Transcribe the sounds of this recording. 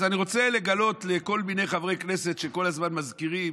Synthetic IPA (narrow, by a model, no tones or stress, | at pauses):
zaniʁo̞t͡se̞le̞ɡalo̞t̪le̞ko̞lbine̞jχavʁe̞jkne̞se̞tʃe̞ko̞lazmanmazkiʁi